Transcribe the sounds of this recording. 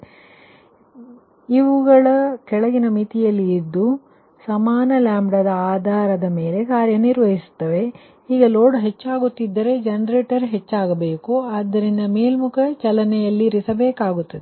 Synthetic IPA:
iʋuɡɐɭɐkɛɭɐɡinɐmit̪ijɐlːiːd̪ːu | sɐmaːnɐlaːmbɽɐd̪ɐaːd̪ʱaːɾɐd̪ɐme̞ːle̞kaːɾjɐniɾʋɐɦisu̥t̪ːɐʋe̞ | iːɡɐlo̞ːɖɦe̞t͡ʃːaːɡut̪ːid̪ːɐɾe̞d͡ʒɐnɐɾeːʈɐɾɦe̞t͡ʃːaːɡɐbe̞ːkuaːd̪ːɐɾind̪ɐme̞ːlmukʰɐt͡ʃɐlɐnɛjɐlːiɾisɐbeːkaːɡut̪ːɐd̪e

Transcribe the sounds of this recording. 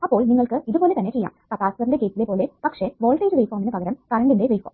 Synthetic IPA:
ɐpːo̞ːɭniŋːɐɭkɨiðupo̞ːle̞t̪ɐnːe̞t͡ɕejːa̰ːmkɐpaːsɐinde̞keːtːilepo̞ːlepɐkʂe̞ʋoːɭʈːɐːɾʋejfoːminɨpɐɣɐɾɐmkaɾɐɳɖiɳɖeʋejfo̰ːm

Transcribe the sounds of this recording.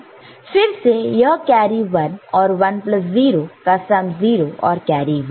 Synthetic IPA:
fɪɾsejəkaːɾiʋɐnɔːɾʋɐnpləs̬ziːɾokasamziːɾoʔɔ̰ːɾkaːɾiʋən

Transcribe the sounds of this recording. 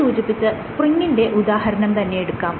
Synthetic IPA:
uːd͡ʑipːit͡ɕːɨspriŋɡinde̞ʔud̪aːhɐɾɐnɐmt̪ɐnːe̞jeɽukːaːm

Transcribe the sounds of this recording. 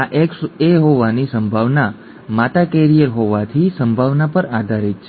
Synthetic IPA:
aʔekseɦoʋanisəmbʱaʋna | mat̪akɛɾijəɾɦoʋat̪ʰisəmbʱaʋnapəɾad̪ʱaɾit̪̚t͡ʃʰ

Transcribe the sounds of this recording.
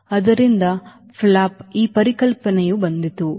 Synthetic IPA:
ɐd̪ɐɾind̪ɐ | pʰlaːpiːpɐɾikɐlpɐnejubɐnd̪it̪u

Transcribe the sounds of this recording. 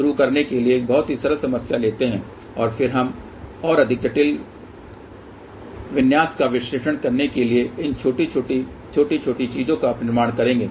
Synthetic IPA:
ʃʊɾukɐɾnekelieːk̚bɔɦʊt̪ɦisɐɾəsɐməsjaleːt̪eɦɛ̃ː | ɔːɾfɪɾɦɐm | ɔːɾɐd̪ʱɪk̚ɡəʈɪl | ʋɪnjaːskaʋɪʃɾeːʃəɽ̃kɐɾnekelieɪnt͡ʃʰoːʈioːʈi | t͡ʃʰoːʈit͡ʃʰoːʈit͡ʃiːzõkapnɪɾmaːɽ̃kɐɾẽːŋɡeː

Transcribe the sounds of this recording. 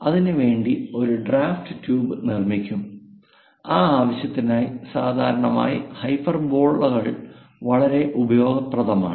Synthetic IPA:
ɐðinɨʋe̞ːɳɖio̞ɾuɖraːfʈɨtuːbɨnirmikʲːum | aːaːʋɐɕjɐt̪ːinaːjisaːd̪ʱaːɾɐɳɐma̰ːjihɐjpːɐrbo̞ːɭːɐɣɐɭ | ʋɐɭɐɾe̞ʔubɐjo̞ːɡɐprɐd̪ʱɐma̰ːɳ

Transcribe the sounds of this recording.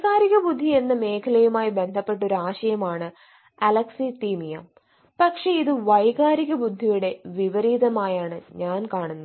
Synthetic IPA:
ɣaːɾiɣɐbud̪ʱːie̞nːɨme̞ːkʰɐlɐjumaːjibe̞nd̪ʱɐpːe̞ʈ̬ːo̞ɾuaːɕɐjɐmaːɳɨ | ɐlɐksit̪iːmijɐ | pɐkʂe̞iðɨʋɐjɣaːɾiɣɐbud̪ʱːijuɽe̞ʋiʋɐɾiːðɐmaːjaːɳɨɲaːnkaːɳunːɐ

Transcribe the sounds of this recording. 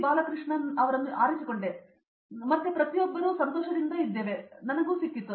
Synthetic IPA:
baːlɐkɾɨʂɳɐnɐʋɐɾɐnːuʔaːɾɐt͡ʃːukoɳɖe | mɐt̪ːepɾɐt̪ijobːɐɾoːsɐnt̪oːʃɐd̪ind̪ɐid̪ːeʋenɐnɐɡuːsikːit̪ːu

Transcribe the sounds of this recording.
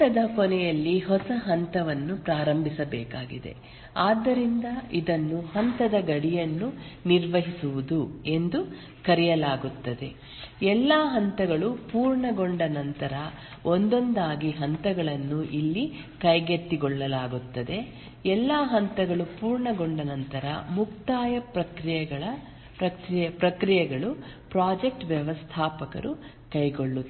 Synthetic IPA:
ɐd̪ɐkɔnɛjɐlːiɦɔsɐɦɐnt̪ɐʋɐnːupɾaːɾɐmbʱisɐbɛːkaːɡḭd̪e̞̰ | aːd̪ːɐɾind̪ɐid̪ɐnːuhɐnt̪ɐd̪ɐɡɐɽijɐnːuniɾʋɐɦisuʋud̪ue̞nd̪u | kɐɾijɐlaːɡut̪ːɐd̪e̞ | ɛlːaːɦɐnt̪ɐɡɐɭupuːɾɳɐɡoɳɖɐnɐnt̪ɐɾɐ | ond̪o̞nd̪aːɡiɦɐnt̪ɐɡɐɭɐnːuʔilːi | kɐjɡet̪ːiɡɔɭːɐlaːɡut̪ːɐd̪e̞ | ɛlːaːɦɐnt̪ɐɡɐɭupuːɾɳɐɡoɳɖɐnɐnt̪ɐɾɐ̰muk̚t̪aːjɐpɾɐkɾijɐɡɐɭɐ | pɾɐkɾjɐpɾɐkɾijɛɡɐɭupɾaːd͡ʒek̚ʈʋjɐʋɐst̪ʰaːpɐkɐ̰ɾu | kɐjɡoɭːu

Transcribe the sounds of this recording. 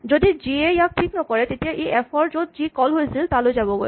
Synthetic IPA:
zodiziɛjak̚pʰiknɔkɔɹɛtetijaʔeʔɛpʰɔɹzot̚zikɔlɦojsiltalojzabɔɡoj

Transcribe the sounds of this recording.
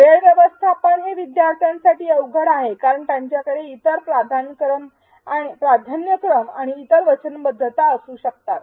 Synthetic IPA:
ʋeɭʋjəʋəst̪ʰapəɳɦeʋid̪jaɾt̪ʰijansaʈiːəwɡʱəɽaɦekaɾəɳt̪jãɲt͡ɕjakəɽeit̪əɾpɾad̪ʱankɾəm | aɽ̃ipɾad̪ʱanjəkɾəmaɽ̃iːt̪əɾʋət͡ɕənbəd̪ʱːət̪aəsuːɕək̚t̪at̪

